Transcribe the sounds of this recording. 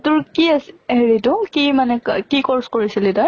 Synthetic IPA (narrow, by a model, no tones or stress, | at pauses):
tʊɹkiaseɹidʊkimanɛkikɔɹskoɹisilitɔj